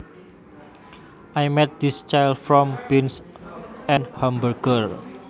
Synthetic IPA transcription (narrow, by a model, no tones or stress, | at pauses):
ʔajmɛt̪̚d̪ist͡ʃajldfɾɔmbins | ɛ̃nhãmbərɡər